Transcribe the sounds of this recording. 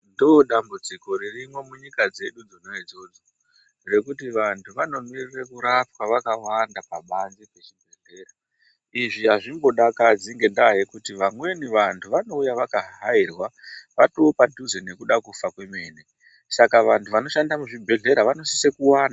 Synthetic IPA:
ndoɗambud͡ziko̞ɾirimwe̞muɲikad͡ze̞ɗud͡zino̞id͡zo̞d͡zo | re̞kutiʋantʰuʋano̞mirirekuɾap̚waʋakawandapaɓanzipe̞t͡ʃibʱe̞ɮe̞ːra | iʐiɦaʐimbo̞ɗakad͡ziŋɡe̞ndaɦekutiʋamwe̞niʋantʰuʋano̞ujaʋakaɦairwaʋatoːpadʱuzene̞kuɗakufakwe̞me̞ːne | sakaʋantʰuʋano̞ʃandamuʐibʱe̞ɮe̞ɾaʋano̞sise̞kuwaːna

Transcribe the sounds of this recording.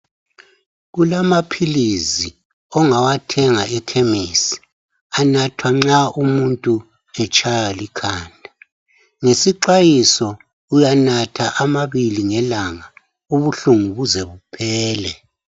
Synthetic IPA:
ɣulamapʰilizi | ɔŋawatʰɛŋaɛkʰemisi̥ | anatʰwaŋ͡ǁaumuntʼu | ɛt͡ʃʰʼajalikʰaːndʱa | ŋesiǃajisɔ | ujanatʰaʔamaβiliŋɛlaŋa | uβuɬuŋuβuzɛβupʰɛːlɛ

